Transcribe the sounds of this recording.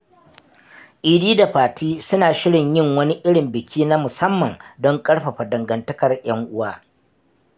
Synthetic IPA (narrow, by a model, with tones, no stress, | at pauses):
ʔiː˨diː˦da˨ɸaː˨tʰiː˦sʊ˦naː˨ʃɪ˦ɽɪ˨ɲjɪ˦˨ŋwɐ˦ni˦ʔɪ˦ɽɪ˨mbɪ˨kʲʰiː˦na˦mʊ˨sɐ˦mːɐ˨ŋdɔ˦ŋkʼɐ˦ɽɸɐ˨ɸa˨dɐ˨ŋɡɐ˨ntɐ˦kɐ˨rj̰ɐ˦ŋʔʊ˦waː˦